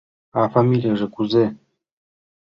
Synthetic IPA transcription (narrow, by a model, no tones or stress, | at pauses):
afamʲilʲijaʐɘ̆kuze